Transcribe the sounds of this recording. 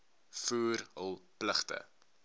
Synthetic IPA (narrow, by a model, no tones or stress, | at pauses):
fuːrɦəlˠpləχtə̰